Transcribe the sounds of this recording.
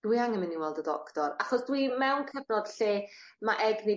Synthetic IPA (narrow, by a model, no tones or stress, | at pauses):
d̥wiaŋɛmɪnːinwɛlˠdədɔ̰ktɔɾaχɔsd̥wimɛwnkʰəvnɔd̥ɬeːmaʔɛɡne